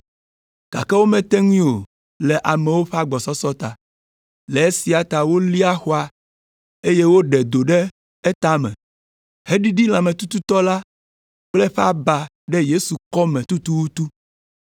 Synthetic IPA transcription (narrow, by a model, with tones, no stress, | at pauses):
ka̰˨kɛ˦wo˦mɛ̃˦t̪ɛ˦ŋũ˦o˨ | lɛ˨ʔa˨mɛ̃˨wo˦ɸɛ˦a˦ɡ͡bɔ˨sɔ˦sɔ˦t̪a˨ | lɛ˨e˦si˨a˨t̪a˨wo˦li˦a˦xo˦a˨ | e˦je˦wo˦ɖɛ˨d̪o˨ɖɛ˦ | ɛ˦t̪a˦mɛ̰̃˨ | he˦ɖi˦ɖi˦l̃ã˨mɛ̃˨t̪u˦t̪u˦t̪ɔ˦la˦ | k͡plɛ˦ɸɛ˦a˦ba˨ | ɖɛ˦je˦su˨kɔ˦mɛ̃˨t̪u˦t̪u˦wu˦t̪u˦